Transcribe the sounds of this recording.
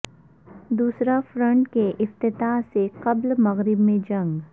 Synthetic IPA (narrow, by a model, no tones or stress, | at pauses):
d̪uːsɾafɾə̃ɳʈkeʔɪft̪ɪt̪aːɦseqɐblmɐɣɾɪbmẽd͡ʒɐ̃ŋɡ